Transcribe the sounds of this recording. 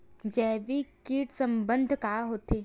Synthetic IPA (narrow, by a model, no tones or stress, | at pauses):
d͡ʒɛːʋikiːʈsə̃mbə̃nd̪ʱkaːɦoːt̪eː